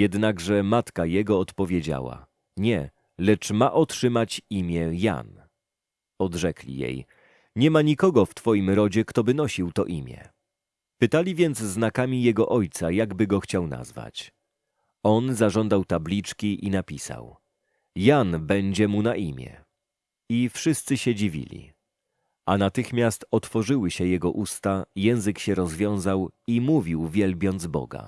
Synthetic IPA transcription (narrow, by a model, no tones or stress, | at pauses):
jɛd̪naɡʐɛmat̪kajɛɡɔːt̪pɔvʲjed͡ʑa̰wa̰ | ɲɛ | lɛt͡ʂmaʔɔtʂɘmat͡ɕimʲjɛja̰n | ɔd̪ʐɛklʲḭjḛj | ɲɛmaɲikɔɡɔft̪fɔjimɾɔd͡ʑɛkt̪ɔbɘnɔɕiwt̪ɔʔimʲjɛ̰ | pɘt̪alʲivʲjɛnd̪zznakamʲijɛɡɔʔɔjt̪sajaɡbɘɡɔxt͡ɕawna̰zva̰t͡ɕ | ɔnzaʐɔnd̪awt̪ablʲit͡ʂkʲiʔinapʲisa̰w | janbɛɲd͡ʑɛmunaʔimʲjɛ̰ | ifʂɘst̪sɘɕɛd͡ʑivʲḭlʲḭ | anat̪ɘxmʲjast̪ɔt̪fɔʐɘwɘɕɛjɛɡɔʔust̪ajɛ̃w̃zɘkɕɛɾɔzvʲjɔ̃w̃zawimuvʲiwvʲjɛlbʲjɔnd̪zbɔ̰ɡa̰